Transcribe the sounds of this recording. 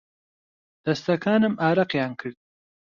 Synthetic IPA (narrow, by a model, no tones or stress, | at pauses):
d̪̥ast̪akʰɑːnamɑːɾaqjɑːŋkʰəɽ